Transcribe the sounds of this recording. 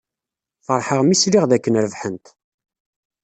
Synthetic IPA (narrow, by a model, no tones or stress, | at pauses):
fəɾˤħəʁmisliʁðækːənɾəvħənt̪